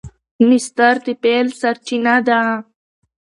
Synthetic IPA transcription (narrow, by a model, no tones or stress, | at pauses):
mist̪aɾt̪ipeːlsɐɾt͡ɕinad̪aã